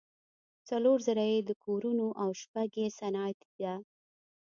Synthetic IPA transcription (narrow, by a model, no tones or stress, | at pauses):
t͡saloɾzaɾajed̪əkʰoɾunoʔawʃpaɡesanɑt̪id̪a